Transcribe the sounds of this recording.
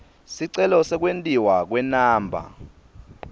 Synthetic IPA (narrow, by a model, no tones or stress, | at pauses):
siǀɛlɔsɛk̬wentʼiwak̬wɛnaːmbʱa̰